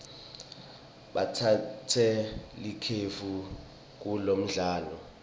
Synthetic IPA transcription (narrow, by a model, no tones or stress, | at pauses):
ɓatʰatʰɛlikʰefu | k̬ulom̩ɮaːlɔ